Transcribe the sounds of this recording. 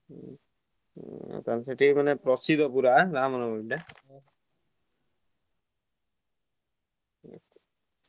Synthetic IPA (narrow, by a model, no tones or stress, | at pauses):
ka̰nsetimanɛpɹɔsid̪ʱɔpuɾaɾamɔnɔbɔda